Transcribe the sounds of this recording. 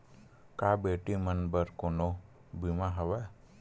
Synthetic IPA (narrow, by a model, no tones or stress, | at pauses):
kabeːʈimənbəɾkono | bimaɦəʋa